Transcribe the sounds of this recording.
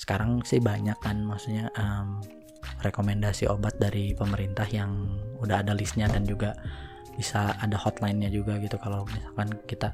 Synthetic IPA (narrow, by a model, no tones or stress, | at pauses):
sə̥kaɾaŋsɪhbaɲakːanmaksuɲaʔəm | rekomɛndasiʔobat̪̚daɾipəməɾint̪ahjaŋudahadalisɲadand͡ʒuɡa | b̥isaːdahɔt̪lajnɲad͡ʒuɡaɡit̪ukalawmisalkankit̪a